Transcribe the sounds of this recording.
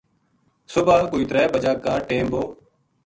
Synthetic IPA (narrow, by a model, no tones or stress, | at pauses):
sʊbaːkʊit̪ɾɛːbəd͡ʒaːkːaːʈẽːmboː